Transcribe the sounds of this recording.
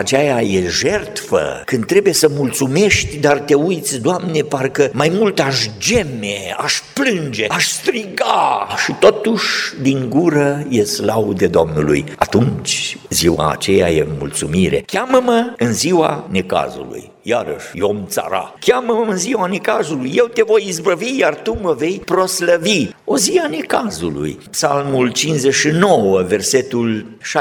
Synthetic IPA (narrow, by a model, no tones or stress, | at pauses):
at͡ʃajaje̞ʒe̞rt̪fə̰kɨnd̪̚ːɾe̞bujesəmult̪sume̞ʃt̪ʲd̪art̪e̞ujt̪sʲd̪oamne̞parkəmajmult̪aʃd͡ʒemeaʃplɨnd͡ʒe̞aʃst̪ɾiɡaʃit̪o̞t̪uʃʲd̪iŋɡuɾəje̞slawd̪e̞d̪oomnulṵjat̪unt͡ʃziwa̰ːt͡ʃe̞ja̰jemult̪sumiɾe̞̰kʲaməməɨnziwa̰ne̞ka̰zṵlṵjːaɾə̰ʃʲjomt̪sa̰ɾa̰kʲaməməɨnziwane̞kazulujːe̞wt̪e̞vo̞jizbəvijart̪uməve̞jpɾo̞sləvioziane̞kazulṵjpsalmult͡ʃinzeʃino̞wəve̞rset̪ulʃa